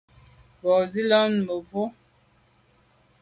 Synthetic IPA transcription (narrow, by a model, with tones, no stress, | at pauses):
vɔ˨zi˦lɔ˦nmə˨vo˦